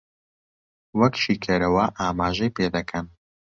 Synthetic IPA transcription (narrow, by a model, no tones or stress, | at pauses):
wɐkʃiːkʰɐɾɐwɐʔaːmaːʒɐjpeːd̪ɐkʰɐn